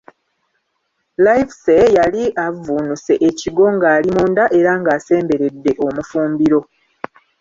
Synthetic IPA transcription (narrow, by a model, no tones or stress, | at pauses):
lajfsejaliavunuse̞ʔeciɡo̞ŋɡaːlimuːndaʔe̞ɾaŋɡaːse̞ːmbe̞ɾe̞dːe̞ʔo̞mufuːmbiɾo̞